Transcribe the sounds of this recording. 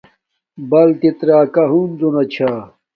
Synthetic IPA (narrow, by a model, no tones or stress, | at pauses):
bɐlt̪it̪ɾaːkɐɦuːnd̪onɐt͡ɕʰaː